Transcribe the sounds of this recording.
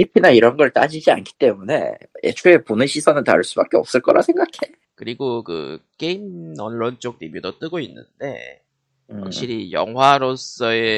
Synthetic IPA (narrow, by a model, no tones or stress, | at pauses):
ipʰinaiɾʌnɡʌɭt͈a̰d͡ʑid͡ʑia̰nkʰi̥t͈e̞mune̞̰jʔḛt͡ɕʰoeponɯɕʰisʰʌnɯnta̰ɭs͈ubak͈eʌp̚s͈ɯɭk͈ʌɾʔa̰sʰe̞ŋɡakʰe̞ | kɯɾiɡokɯ̰k͈eimʌnːont͡ɕ͈ok̚nimjudot͈ɯɡoinːɯ̰nde̞̰ | wakɕ͈ʰiɾijʌ̰ŋwaɾos͈ʌe